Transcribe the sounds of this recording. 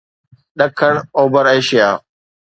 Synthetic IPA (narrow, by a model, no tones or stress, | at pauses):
ɗəkʰəɳ̃oːbəɾeːʃɪjaː